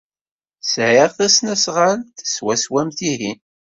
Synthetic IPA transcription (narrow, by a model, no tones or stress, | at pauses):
sʕiʁθæsnæsʁaɾθə̥swæswæmθiin